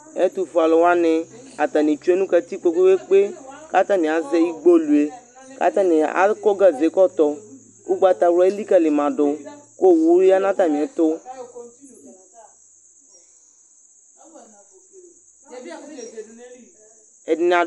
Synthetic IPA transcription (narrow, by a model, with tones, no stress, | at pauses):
e˦t̪u˨fa˨lɔ˨wa˦nɪ˨ | a˨t̪a˨nɪ̃˨t͡ʃu˦e˦nũ˦ka˨t̪i˦k͡po˦ko˦we˦k͡pe˦ka˦t̪a˦nɪ̃˨a˨ze˦ji˦ɡ͡bo˦lu˨e˨ | ka̰˦t̪a˦nɪ̃˨a̰˦lkɔ˦ɡa˦ze˨˦kɔ˦t̪ɔ˨ | u˦ɡ͡ba˦t̪a˨wlɔ˦e˦li˦ka˨lɪ˨mã˨dʊ˨ko˦˨wu˦ɾi˦a˦nã˦t̪a˨n˨ɛ˨t̪ʊ˦ | ɛ˨dɪ˨n˨a˨